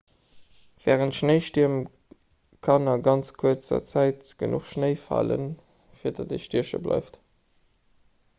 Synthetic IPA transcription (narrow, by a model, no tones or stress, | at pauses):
v̥ɛːʁəntʃnəɪʃtiɐm | kʰɑnɐɡɑnt͡skʰuɐt͡sɐ̰t͡sæɪtɡ̥ənṵχʃnəɪfɑ̰lə̰n | fiːɐdɑdeʃtiɐʃə̰blɑ̰ɪft